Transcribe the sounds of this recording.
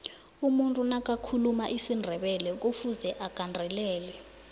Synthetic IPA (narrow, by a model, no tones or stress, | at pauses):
umuntʼunak̬ʼakʰulumaʔisindʱɛɓɛlɛk̬ʼufuzɛʔakʼandʱɛlɛːlɛ